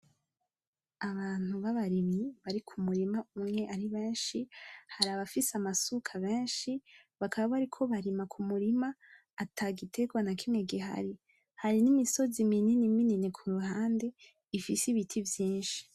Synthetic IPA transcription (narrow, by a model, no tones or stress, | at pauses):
aβaːn̥uβaβaɾimɲiβaɾikʰumuɾimaumŋe̞ʔaɾiβe̞ːnʃihaɾaβafisamasukʰaβeːnʃiβakʰaβaβaɾikʰo̞βaɾimakʰumuɾimaː | tʰaɡitʰe̞ɡwanakʰimŋeɡiɦa̰ɾi | haɾinimiso̞zimininimininikʰuɾuhaːnde̞ | ifisiβitʰivjiːnʃi̥